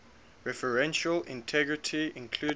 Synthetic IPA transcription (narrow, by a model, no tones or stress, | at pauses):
ɹɛfəɹɛ̃nʃəlɪ̰̃ntʰɛɡɹɪtʰiɪ̃nkʰl̥uː